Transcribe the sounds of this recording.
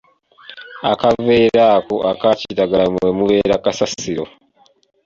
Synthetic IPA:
a̰kaveːɾaːkoʔakacitaɡaamwemuβe̞ːɾakasasiɾo̰

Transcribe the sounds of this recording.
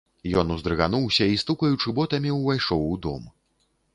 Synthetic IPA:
jɔnuzd̪ɾɨɣanuwsʲɐist̪ukɐjut͡ʂɨbɔt̪ɐmʲiuvajʂɔwud̪ɔ̰m

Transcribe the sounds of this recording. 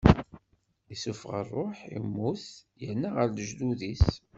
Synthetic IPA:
isufʁə̰rˤːoħḭmːuθjənːaʁəɾləʒd̪uðis

